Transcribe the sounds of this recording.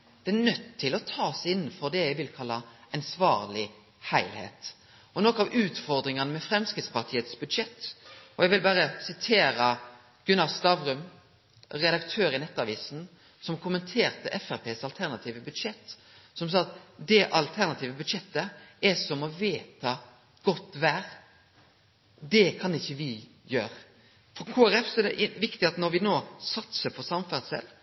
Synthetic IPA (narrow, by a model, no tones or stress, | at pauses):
d̪̥ɛænœt̪ːʰɪlɔt̪ʰɑːsɪnːən̩fɔɾd̪ɛjæɪʋɪlkʰɑlːɑɛnsʋɑːɾlɪ | hæɪlhḛːt̪ | ɔnokɑʋʉːt̪fɔɾd̪ɾɪŋɑnəmɛfɾɛmskɾɪt̪spɑʁt̪ʰiːət̪sbʉd̪ʂɛt̪ːɔjɛɡʋɪlbæːɾəsɪt̪ʰeːɾɑ | ɡ̥ʉnɑst̪ɑʋɾʉm | ɾɛd̪ɑkt̪ʰøːɾɪnɛt̪ːɑʋiːsn̩ | sɔmkʰʊmənt̪ʰeːɾt̪əʔɛfæɾpʰeːsɑlt̪ʰæʁnɑt̪ʰiːʋəbʉd̪ʂɛt̪ː | sɔms̬ɑːt̪d̪ɛʔɑlt̪ʰæʁnɑt̪iːʋəbʉd̪ʃɛt̪ːəɛsɔmɔʋeːt̪ʰɑ | ɡ̥ɔt̪ːʋæːɾ | d̪ɛkʰɑnɪçːəʋɪ | jøːɾ | fɾɔkʰoːæɾɛfsɔɛd̪ɛ̰ʔɪʋɪkt̪ɪɑt̪nɔɾʋɪnoːsɑt̪səpʰɔsɑmfæʁsɛ̰l